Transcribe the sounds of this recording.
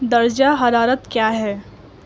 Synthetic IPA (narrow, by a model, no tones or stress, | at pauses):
d̪ɐɾd͡ʒaɦɐɾaːɾət̪kjaːɦɛː